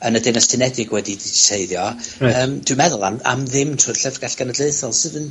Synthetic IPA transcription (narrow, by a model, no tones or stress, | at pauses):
ənədɪnɛstʰɨnɛdɪɡwɛdidi̥sʰeɨðjɔəːmd̥wɨmɛðʊlˠama̰mðɪmtʰʊɨrɬɛvɡ̥aɬɡ̥anədleɨθɔlˠsɨðən